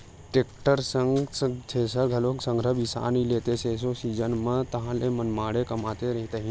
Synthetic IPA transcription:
ʈekʈəɾsəŋɡsət̪ʰeːsəɾɡʱɐloːksəŋɡʱɾəʋisa̰ːnileːt̪eseːs̬osiːd͡ʒənmət̪ɐɦãlemɐnmaːɽekɐmaːt̪eɾɐɦit̪əɦĩ

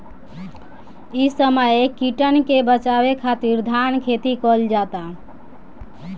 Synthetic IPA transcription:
isəməjkiʈənkebət͡ʃabekʰat̪iɾd̪ʱankʰet̪ikɔld͡ʒat̪a

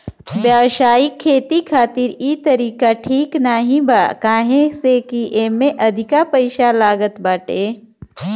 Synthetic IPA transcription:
bjaːʋʃaːjikʰːeːt̪ikʰaːt̪ɪɾiːt̪ɐɾiːkaʈʰiːknaɦĩbakaːɦẽsekiʔeːmẽʔɐd̪ʱɪkapɐɪʃalaːɡət̪baːʈeː

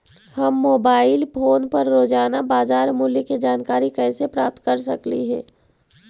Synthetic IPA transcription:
hɐmːoːbaːɪlpʰoːnpɐɾːoːd͡ʒaːnabaːzaːɾmʊliked͡ʒaːnkaːɾikɛːsepɾaːp̚t̪kɐɾsɐklḭɦɛ̰ː

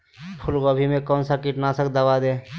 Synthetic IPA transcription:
pʰʊlɡɔbʱimẽkɔːnsakɪʈnasəkd̪əbad̪eː

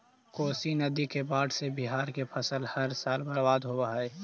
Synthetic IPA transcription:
koːsinəd̪ikebaːʈsebɪɦaːɾkepʰəsəlhəɾsaːlbəɾbaːd̪ɦobaɦəe

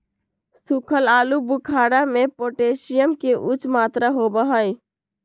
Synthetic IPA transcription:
sukʰəlalubukʰaɽamepoʈesijəmkeʔut͡ʃmat̪ɾaɦobəɦəj

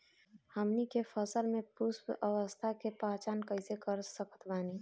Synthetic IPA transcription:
həmnikepʰəsəlmẽpuspəʋəst̪ʰakepat͡ʃaːnkəɪsekəɾsəkə̥t̪bani

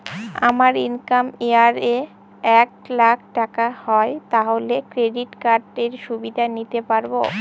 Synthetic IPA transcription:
a̰maɾinkameaɾe | ɛk̚lak̚ʰʈakahɔet̪aɦolekɾeɖiʈkaɾɖeɾʃubid̪anit̪epaɾbo

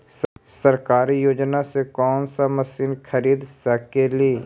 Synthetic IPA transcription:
ssəɾkaːɾijoːd͡ʒnasekɔːnsaməsiːnkʰəɾiːd̪səkːeleː

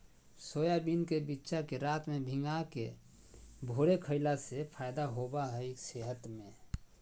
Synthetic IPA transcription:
soːjabinkebitːʃakeɾaːt̪mẽbʱɪ̃ŋɡakḛ | bʱoːɾekʰəɪlasepʰajd̪aɦobaɦɛekseɦət̪mẽ

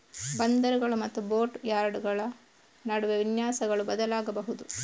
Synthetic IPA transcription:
bɐnd̪ɐɾuɡɐɭumɐt̪ːubo̞ːɾʈjaːɾɖɡɐɭɐ | nɐɽuʋeʋinjaːsɐɡɐɭubɐd̪ɐlaːɡɐbɐɦud̪u

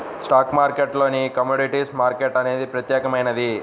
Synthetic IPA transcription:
sʈaːkmaːɾkeʈlo̞ːnikɐmoːɖiʈiːsmaːɾkeʈɐne̞ːd̪ipɾɐt̪jɛːkɐmɐjnɐd̪i

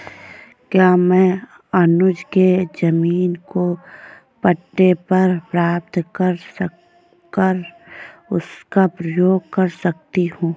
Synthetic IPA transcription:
kjaːmɛ̃ː | ɐnʊd͡ʒked͡ʒɐmiːnko | pɐʈːepɐɾpɾaːp̚t̪kɐɾs | kəɾ | ʊskapɾəjoːɡ̚kɐɾsɐk̚t̪iɦũː

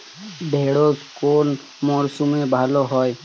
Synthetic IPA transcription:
d̪ʱeːɽoːzkoːn | mɔːɾsumẽbʱaːloɦɔːj

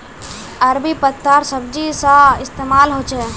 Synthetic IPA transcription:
ɐɾbipət̪ːaːɾsəbd͡ʒisãɪst̪eːmaːlɦoːt͡ʃɛː

